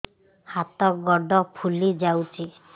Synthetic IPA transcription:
hat̪ɔɡɔɖɔpʰulid͡ʒawt͡ʃʰi

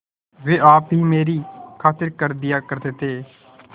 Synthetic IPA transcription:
ʋeːaːpɦiːmeːɾiːkʰaːt̪əɾkəɾd̪ɪjaːkəɾd̪eːt̪eː

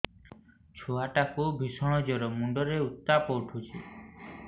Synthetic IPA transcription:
t͡ʃʰoaʈakubʱisɔɽ̃ɔd͡ʒɔɾɔmuɳɖɔɾeut̪ːapɔwʈʰut͡ʃʰi

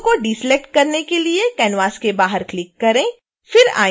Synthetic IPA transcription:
koɖiːslɛk̚ʈ̚kɐɾnekeliekɛːnʋaːskebaːɦəɾklɪkːɐɾẽː | fɪɾa̰ː

